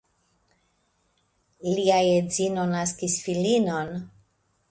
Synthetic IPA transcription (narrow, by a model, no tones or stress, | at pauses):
liajezino̞naskisfilino̞n